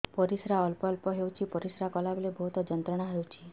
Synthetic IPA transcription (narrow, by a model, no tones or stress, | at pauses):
pɔɾisɾaɔlpɔlpɔɦewt͡ʃʰipɔɾisɾakɔlabelebʱɔɦut̪ɔd͡ʒɔnt̪ɾɔɽ̃aɦewt͡ʃʰi